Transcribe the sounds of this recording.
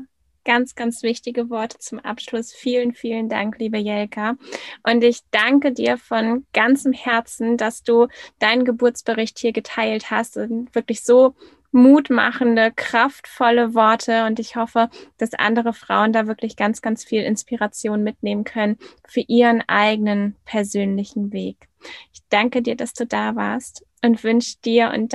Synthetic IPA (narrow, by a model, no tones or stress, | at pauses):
ɡ̥ant͡sɡ̥ant͡sv̥ɪçtɪɡəvɔɐtʰə̥t͡sʊmʔa̰pʃlʊsfiːlənfiːlənda̰ŋkliːbəjɛlkʰaʔʊntɪçd̥aŋkədiːɐfɔnɡ̥ant͡səmhɛɐt͡sn̩d̥asd̥uːd̥aɪnənɡəbʊɐt͡sb̥əʁɪçthiːɐɡətʰaɪlthastʊv̥ɪɐklɪçz̥oː | muːtma̰χn̩dəkʁ̥aftfɔləvɔɐtʰəʊntɪçhɔfəd̥asʔa̰ndəʁ̞əfʁ̥a̰ʊəndaːvɪɐklɪçɡ̥ant͡sɡ̥ant͡sfiːlɪ̰nspiʁat͡sjoːnmɪtneːmənkʰœnənfyːɐʔiːʁənʔa̰ɪɡənənpʰɛɐzøːnlɪçn̩veːk | ʔɪçd̥aŋkədiːɐdasd̥uːdaːva̰ːɐst | ʔʊntv̥ʏnʃəd̥iːɐʔʊ̰nt